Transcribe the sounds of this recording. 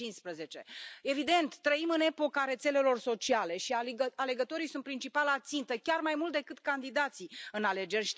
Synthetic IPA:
inspɾəze̞t͡ʃe̞e̞vid̪e̞nt̪ːɾəimɨne̞po̞kaɾe̞t̪se̞le̞lo̞rso̞t͡ʃiale̞ʃiaale̞ɡət̪o̞ɾijsunt̪̚pɾint͡ʃipalat̪sint̪əkʲarmajmult̪̚d̪ekɨt̪kand̪id̪at̪siɨnale̞d͡ʒe̞rʲʃ

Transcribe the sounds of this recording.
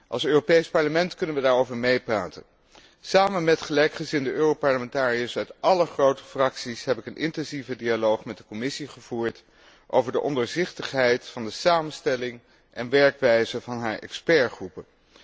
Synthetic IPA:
ʔɑ̰lˠsøːropejspɑɹləmɛntkɵnənʋədaːɹowvəɹmejpraːtə̰n | saːmənmɛtχəlɛjkχəzɪndəøːrowpɑɹləmɛntaːriəsœɥtʔɑləχrowtə̥frɑksisɦɛpɪkənʔɪ̰ntɛnzivədialowχmɛt̚dəkɔmɪsiχəv̥uːɹt | ʔo̰wvəɹdəʔɔndəɹzɪχtəχɦɛjtfɑndəsaːmənstɛlɪŋ | ʔɛnʋɛɹkʋɛjzəvɑnɦaːɹɛ̰kspɛɹχrupə

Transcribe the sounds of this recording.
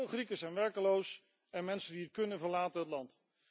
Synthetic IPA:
lˠχrikəsɛjnʋɛɹkəlows | ɛnmɛnsəndiətkɵnənvəɹlaːtənɦətlɑnt

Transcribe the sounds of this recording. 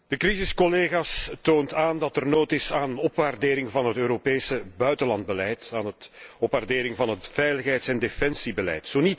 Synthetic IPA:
d̥əkrizɪskɔleːɣaːstoːntaːndɑtɛrnoːtɪsaːnnɔpʋaːrdeːɾɪŋvɑnɦətøːɾopeːsəbœɥtəlɑnd̚bəlɛjtaːnətɔpʋardeːɾɪŋvɑnɦətfɛjləxɦɛjtsɛndefɛnsibəlɛ̰jtsoːnit

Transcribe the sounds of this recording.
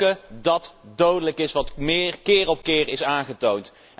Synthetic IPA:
ədɑtdowdələkɪsʋɑtmɪːrkɪːrɔp̚kɪːɹɪsaːŋχətownt

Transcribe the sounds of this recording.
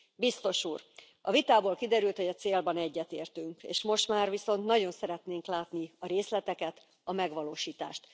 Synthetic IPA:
bist̪o̞ʃuːr | ɒvit̪aːboːlkid̪ɛɾylt̪ho̞ɟɒt̪seːlbɒnɛɟːɛt̪eːrt̪yŋkḛːʃmo̞ʃt̪maːrʋiso̞nt̪nɒɟo̞nsɛɾɛt̪neːŋklaːt̪niɒɾeːslɛt̪ɛkɛt̪ | ɒmɛɡʋɒloːʃiːt̪a̰ːʃt̪

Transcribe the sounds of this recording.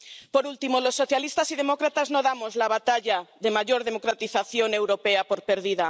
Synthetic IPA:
poɾult̪imolosːoθjalist̪asið̞emokɾat̪aznoðamozlaβ̞at̪aʎaðemaʝoɾðemokɾat̪iθaθjoŋe̞wɾopeapoɾpeɾðiða

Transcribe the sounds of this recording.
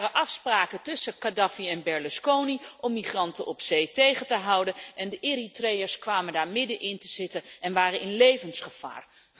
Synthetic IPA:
rəʔɑfspraːkətɵsəkadɑfiɛnbɛɹluskowniʔɔmːiχrɑntənʔɔpsejtejχəntəɦɑwdənʔɛndəʔɪːritrejəɹskʋaːməndaːɹmɪdənʔɪntəz̥ɪtənɛnʋaːrənɪnlejvənsχəv̥a̰ːr

